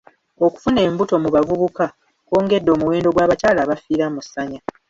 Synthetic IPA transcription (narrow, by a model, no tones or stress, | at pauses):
o̞ku̥fune̞ːmbuto̞muβavuβuka | ko̞ːŋɡe̞dːo̞ːmuwe̞ːndo̞ɡwaːβacaːlaːβafiːɾamusaɲa